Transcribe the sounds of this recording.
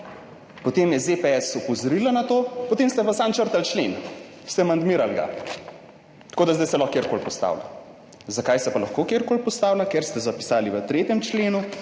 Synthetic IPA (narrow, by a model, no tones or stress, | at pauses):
pɔt̪emjɛzepeɛsɔpɔzɔɾilanat̪oːpɔt̪eːmst̪ɛʋəsamt͡ʃəɾt̪alt͡ʃlḛn | st̪ɛmand̪miːɾalɡa̰ | t̪koːd̪azd̪ajsɛlɔxkeɾkoːlpɔst̪a̰ːwla̰ | zakajsɛpalɐxkokeːɾkoːlpɔst̪aːwlakeɾst̪ɛzapi̥saːliʋət̪ɾeːt̪jɛmt͡ʃleːnu